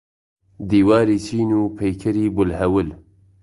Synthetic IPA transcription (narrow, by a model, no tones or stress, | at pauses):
d̪iːwaːɾiːsiːnuːpʰejkʰɐɾiːbʊlhɛwɨl